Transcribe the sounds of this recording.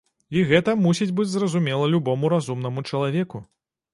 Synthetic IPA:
iɣɛt̪ɐmusʲid͡zʲbɨd͡zʲzrɐzumʲɛlˠɐlʲubɔmuɾazumnɐmut͡ʂɐlˠavʲɛku

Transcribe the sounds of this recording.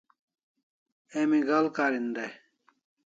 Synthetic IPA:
emiɡalkaɾind̪ɐj

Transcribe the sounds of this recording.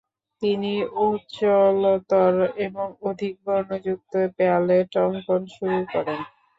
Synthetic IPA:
t̪iniutːt͡ɕolot̪ɔɾeboŋod̪ʱik̚bɔɾnod͡ʑuk̚t̪oepealeʈɔŋkonʃuɾukɔɾen

